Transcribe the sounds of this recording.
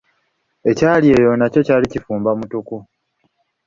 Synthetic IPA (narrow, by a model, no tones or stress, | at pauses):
e̞caːlie̞ːjo̞naco̞caːlicifuːmbamutuku